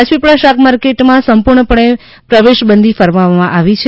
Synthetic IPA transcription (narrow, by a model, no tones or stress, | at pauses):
at͡ʃʋipɽaʃakmaɾkeʈmãsəmpuɾɳəpəɳe | pɾəʋeʃbənd̪ʱifəɾʋaʋamãʔaʋit͡ʃʰ